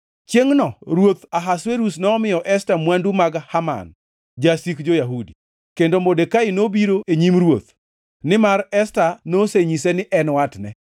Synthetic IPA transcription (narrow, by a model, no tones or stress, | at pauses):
t͡ʃeŋnɔɾwot̪aɦasweɾusnɔːmɪjɔʔɛstamwandumaɡhama̰n | d͡ʒasikd͡ʒojaɦudi | kendomodekaɪnobiɾoʔeɲimɾwot̪ | nɪmaɾɛstanoseɲisɛnɪʔɛnwatnɛ